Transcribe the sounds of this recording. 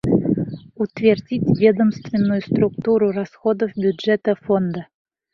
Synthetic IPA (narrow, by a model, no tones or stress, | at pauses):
ut̪vʲerdʲitʲvʲed̪əmst̪vʲɪnːujust̪rukt̪uɾurasxod̪ofbʲjudʐɛt̪əfond̪ə